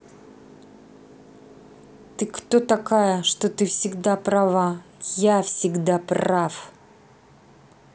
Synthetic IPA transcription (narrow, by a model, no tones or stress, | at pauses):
t̪ɨkt̪ot̪ɐkajəʂt̪ot̪ɨfsʲɪɡd̪apɾɐvajafsʲɪɡd̪apraf